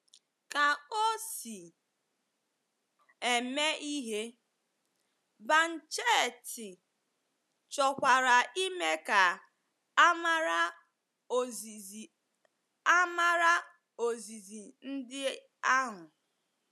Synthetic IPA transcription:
ka˨o˦si˨ | e˨me˦ʔi˦ɦe˦ | ba˨n̩˨t͡ʃe˦˨tɪ˨ | t͡ʃɔ˨kʷa˨ɾa˨i˦me˦ka˨˦ | ma˦ɾa˦ | o˨i˨ | a˦ma˦ɾa˦ | o˨zi˨zi˨n̩˦dɪ˦ | a˦ɦʊ˨

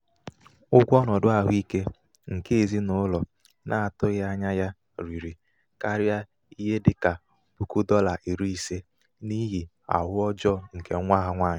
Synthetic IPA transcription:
ʊ˦ɡʷɔ˦nɔ˨dʊ˦a˨ɦʊ˦i˦ke˦ | ŋ̩˨ke˦e˨zi˦nʊ˨˦lɔ˨ | nʔa˨a˨tʊ˦ɣa˦ɲa˦ja˦ | ɾi˨ɾi˨ | ka˦ɾja˦ | i˦ɦe˦dɪ˨ka˨ | b̥u˨ku˦dɔ˦la˨ʔi˨ɾi˦i˨se˦ | ni˦ɦi˨ | a̰˨ɦʊ˦ɔ˦d͡ʒɔ˦ŋ̩˨ke˨˦ŋʷa˦ɦa˦ŋʷaː˦˨ɲa˨˦

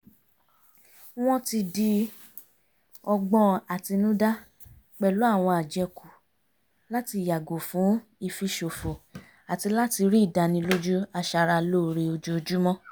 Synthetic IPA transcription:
w̃ɔ̃˦ti˧di˧ | ɔ˧ɡ͡bɔ̃˧a˨ti˧nũ˦da˦ | k͡pɛ˨lu˨˦a˦˨w̃ɔ̃˧a˨d͡ʒɛ˧ku˨ | la˦ti˧˨ja˨ɡo˨fũ˨˦i˧fi˧ʃo˨fo˨ | a˨ti˧la˦ti˧ɾi˦˨da˧nĩ˧lo˦d͡ʒu˦a˧ʃa˧ɾa˧lo˦˨ɾe˧o˧d͡ʒu˦o˧d͡ʒu˦mɔ̃˦

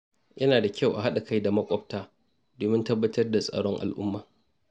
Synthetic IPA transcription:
jɐ˦naː˨da˨kʲʰa˦˨wʔa˨ɦa˦ɗa˨ka˦jda˨mɐ˦kʷʼɔ˦b̚taː˦ | doː˨mɪ˦ntɐ˦bːɐ˦tɐ˦rda˨sʼɐ̰˨ɽɔ˦ŋʔa̰˨lʔʊ̰˦mːaː˨

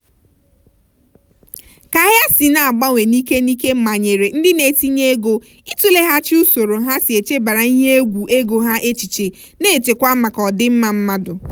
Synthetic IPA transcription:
ka˨˦ɦja˦si˨na˨a˨ɡ͡ba˦ŋʷe˨ni˦ke˦ni˦ke˦m̩˦ma˨ɲe˨ɾe˨n̩˦dɪ˦ne˨ti˦ɲe˦e˦ɡo˨ | i˦tu˦le˦ɦa˦t͡ʃi˦u˦so˨ɾo˨ɦa˦sɪ˨e˨t͡ʃe˦ba˨ɾa˨i˦ɦe˦e˦ɡʷu˨ʔe˦ɡo˨ɦa˦ʔe˦t͡ʃi˨t͡ʃe˨ | ne˦˨t͡ʃe˨kʷa˦ma˨kɔ˨dɪ˦m̩˦ma˨m̩˦ma˦dʊ˨

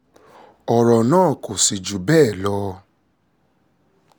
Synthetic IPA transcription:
ɔ˨ɾɔ˨nãː˦˨ko˨si˨d͡ʒu˨bɛː˦˨lɔ˧˦

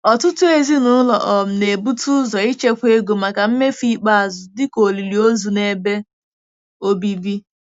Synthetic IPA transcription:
ɔ˨tʊ˦tʊ˦e˦˨zi˦nʊ˦lɔ̰˨ʔɔ˨m̩˨ne˨bu˦tu˦zɔ˨i˦t͡ʃe˦kʷe˦ɡo˨ma˨ka˨m̩˦me˦fi˦k͡pa˦a˨zʊ˨dɪ˦ko˨li˨li˨o˦zu˨ne˦be˦ | o˦bi˦bi˦

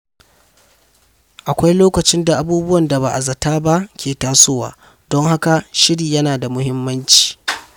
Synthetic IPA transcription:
ʔa˨kʷa˦jloː˦kɐ˨t͡ʃɪ˦nda˨ʔa˨buː˦bʊ˦wɐ˨nda˨ba˨ʔa˨zɐ˨taː˦ba˦ʔkʲʰeː˨taː˦so˦wa̰ː˨ | dɔ˦ŋɦa˦ka˨ʃɪ˦ɽiː˨jɐ˦naː˨da˨mʊ˦hɪ˦mːɐ˦nt͡ʃi̥ː˨

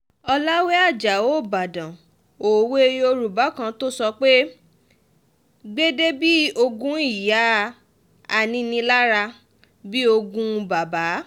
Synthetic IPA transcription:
ɔ˧la˦we˦a˦˨d͡ʒa˨o˦˨ba˨dã˨ | o˨we˦o˧ɾu˨ba˨˦kã˧to˦sɔ˧k͡pe˦ | ɡ͡be˦de˦bi˦o˧ɡũ˦i˦˨ja˨˦˨ | a˨nĩ˧nĩ˧la˦ɾa˧ | bi˦o˧ɡũ˦˧ba˨ba˨˦

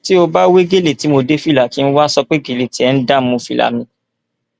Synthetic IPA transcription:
ti˦o˧ba˦we˦ɡe˦˨le˦˨ti˨˦mo˧de˦fi˦˨la˨ki˨˦n̩˦wa˦sɔ˧k͡pe˦ɡe˨le˦˨ti˨˦ɛ˦n̩˦da˦mũ˧fi˦˨la̰˨mĩ˧

